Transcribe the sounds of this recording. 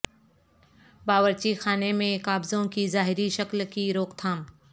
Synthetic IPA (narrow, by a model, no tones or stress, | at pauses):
baːʋəɾt͡ʃixaːnemẽkaːbzõkizaːɦɪɾiʃɐklkiɾoːkt̪ʰãː